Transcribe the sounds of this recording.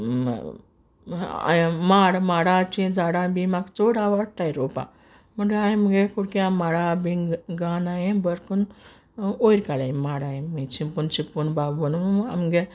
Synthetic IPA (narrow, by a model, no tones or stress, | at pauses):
a̰maɽmaɽat͡ɕĩd͡zaɽabimaɡt͡soɽaʋaɽt̪ajɾopa̰ | məɳeajmɡekʰuɽkeamaɽabĩɡɡanajẽbəɾkun | ojɾkalaimaɽajẽmet͡ɕimpunt͡ɕipːunbabuna̰mɡe